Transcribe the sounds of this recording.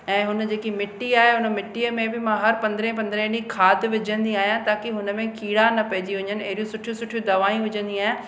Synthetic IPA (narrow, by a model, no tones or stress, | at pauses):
ɛ̃ːɦʊnəd͡ʑeːkimɪʈːiaːɦeɦʊnə̆mɪʈːiəmẽbɪmãɦɐɾpɐ̃nd̪ɾẽp̬ɐ̃nd̪ɾẽnĩkʰaːd̪ʋɪd͡ʑə̃nd̪iaːɦijãt̪aːkɪɦʊnmẽkʰiːɽanɐpɐɦɪd͡ʑiɦʊ̃ɲənɪ̆ɐ̰ɦɪɾijũsʊʈʰijũsʊʈʰijũd̪ɐʋaːĩʋʊd͡ʑə̃nd̪iaːɦjã